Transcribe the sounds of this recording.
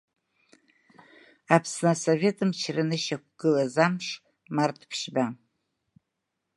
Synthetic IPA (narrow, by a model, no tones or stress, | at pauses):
apʰsnasovʲe̞tʰʼɨmt͡ʃʰrɨnɨʃakʷɡ̥ɨlazamʂ | martʰpʰʃba